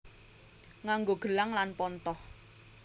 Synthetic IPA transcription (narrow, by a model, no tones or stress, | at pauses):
ŋaŋɡoɡ̥ə̤laŋlanpɔnt̪ɔh